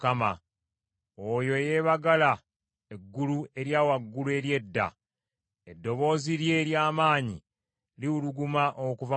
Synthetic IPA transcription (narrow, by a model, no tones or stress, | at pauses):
kama̰ | ojo̞je̞βaɡala | e̞ɡːulue̞ɾjaːwaɡːulue̞ɾje̞dːa̰ | e̞dːo̞βo̞ːziɾje̞ɾjaːmaːɲḭ | liuluɡumaʔokuva